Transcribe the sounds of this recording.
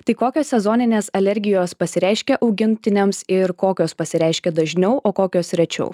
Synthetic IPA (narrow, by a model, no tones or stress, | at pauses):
t̪ɐɪkoːkʲoːsʲsʲɛzoːnʲɪnʲeːsɐlʲɛɾʲɡʲɪjoːspɐsʲɪɾʲɛˑɪʃʲkʲɛʔɒʊɡʲɪnʲt̪ʲɪnʲɛmsɪɾkoːkʲoːspɐsʲɪɾʲɛˑɪʃʲkʲɛd̪ɐʒʲnʲɛʊʔoːkoːkʲoːsʲɾʲɛt͡ʃʲɛ̰ʊ